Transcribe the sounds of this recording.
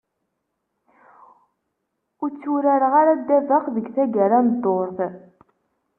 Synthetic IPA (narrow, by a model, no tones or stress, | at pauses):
ʊɾt͡sːuɾaɾʁaɾad̪ːævaqðəɡθæɡaɾand̪ːoɾθ